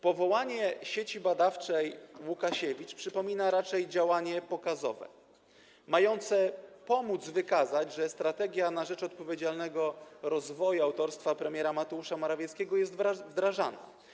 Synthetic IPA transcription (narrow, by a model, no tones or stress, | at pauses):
pɔvɔwaɲɛɕet͡ɕibad̪aft͡ʂɛjwukaɕɛvʲit͡ʂpʂɘpɔmʲinaɾat͡ʂɛjd͡ʑawaɲɛpɔkazɔ̰vɛ̰ | majɔnt̪sɛpɔmud̪zvɘkazad͡ʑʐɛst̪ɾat̪ɛɡʲjanaʐɛt͡ʂɔt̪̚pɔvʲed͡ʑalnɛɡɔɾɔzvɔjuawt̪ɔɾst̪fapɾɛmʲjɛɾamat̪ɛuʂamɔɾavʲjɛt̪skʲɛɡɔjɛst̪vvd̪ɾaʐana̰